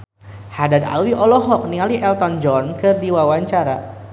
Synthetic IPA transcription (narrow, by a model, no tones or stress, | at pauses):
hadad̪a̰lwiʔɔlɔɦɔk̚nialiʔɛlt̪ɔnd͡ʒɔnkɨrdiwawaɲt͡ʃaɾa̰